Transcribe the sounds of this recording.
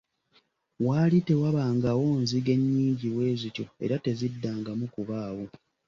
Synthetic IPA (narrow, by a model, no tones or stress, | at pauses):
waːlite̞waβaːŋɡawo̞ːnziɡe̞ɲːiːɲɟiβwe̞ːzico̞e̞̰ɾate̞zidːaːŋɡamukuβaːwo